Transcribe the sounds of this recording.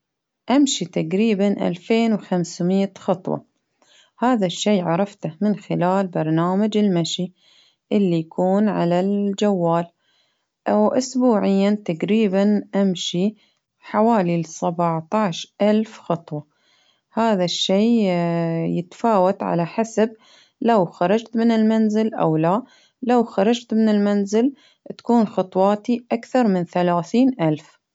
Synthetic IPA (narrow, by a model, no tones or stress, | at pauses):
ʔamʃit̪aɡɾiːbanʔa̰lfeːnwxamsmɪjaxɑt̪ˤwɑ̰ | haːðaʃːeːʕɑɾˤɑft̪amɪnxɪlaːlbɑɾˤnaːmad͡ʒɪlmaʃi | ʔɪlːijakʰuːnʕa̰lald͡ʒawːaːl | ʔawʔʊsbuːʕɪjːant̪aɡɾiːbanʔamʃi | ħawaːlisˤabʕt̪ɑːʃʔalfxɑt̪ˤwɑ | haːðaʃːeː | jɪt̪ḁfaːwat̪ʕa̰laħasab̚ | lawxɑɾˤɑd͡ʒt̪mɪnɪlmanzɪlʔa̰wla | lawxɑɾˤɑd͡ʒt̪mɪnɪlmanzɪl | t̪ḁkuːnxɑt̪ˤwɑːt̪iʔakθɑɾˤmɪnθalaːθiːnʔalf